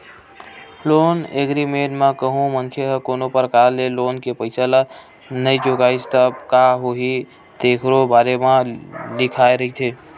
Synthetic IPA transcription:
loːneɡɾimenmakəɦũmənkʰeɦəkonopəɾəkaɾleloːnkepəɪsəla | nəid͡ʒoɡaːist̪əbkaɦoɦi | d̪ekʰɾobaːɾemãlɪkʰaeɾəɦit̪ʰe

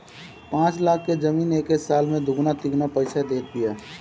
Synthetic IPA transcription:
pãːt͡ʃlaːkʰːed͡ʒəmiːneːkesaːlmẽd̪ʱʊɡnat̪ɪɡnapəɪsad̪eːt̪̚bijaː

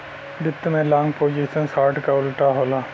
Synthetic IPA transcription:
bɪt̪ːmẽlãːŋɡpoːd͡ʒisənsaːɾʈkaʊlʈaɦoːlaː

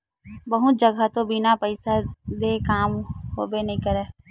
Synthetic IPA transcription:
bɐɦʊt̪̚d͡ʒɐɡat̪obɪnapəɪsad̪ekaːmɦo̰ːbenɐɦĩkɐɾeː

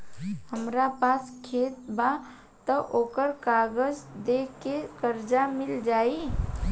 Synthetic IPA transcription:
həmɾapaskʰeːt̪ba | t̪əʔoːkəɾkaɡəd͡ʒd̪ekekəɾd͡ʒamɪld͡ʒaːi

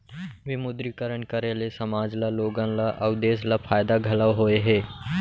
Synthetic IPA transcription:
ʋɪmʊd̪ɾikəɾəɳ̃kəɾelesɐmaːd͡ʒlaloːɡãlaʔɐʊd̪eːslapʰaːjd̪aɡʱɐlaʋɦoeɦeː

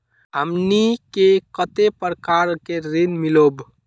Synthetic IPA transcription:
ɦəmnikekət̪epɾəkaɾkeɾinmilob

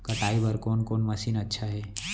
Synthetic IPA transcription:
kɐʈaːibɐɾkoːnkoːnmɐsiːnɐtːʃʰaɦɛː

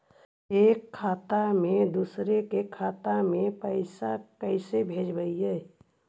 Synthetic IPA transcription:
eːkʰːaːt̪amẽd̪uːsɾekekʰaːt̪amẽpəɪsakəɪsebʱeːd͡ʒbəiɦɛ

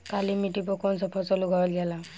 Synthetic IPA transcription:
kalimiʈipɔkɔnsɔpʰɔsɔluɡʱɔɹɔlɡɛla

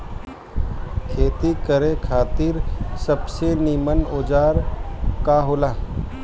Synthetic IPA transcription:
kʰeːt̪ikəɾẽkʰaːt̪ɪɾsəbseniːmənoːd͡ʒaːɾkaɦoːlaː

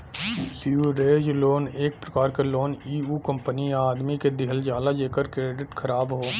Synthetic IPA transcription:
jiuɾeːd͡ʒloːneːk̚pɾəkaːɾkeloːniːuːkə̃mpəniaːd̪miked̪ɪɦəld͡ʒaːlad͡ʒeːkəɾkɾeːɖɪʈkʰəɾaːbɦoː

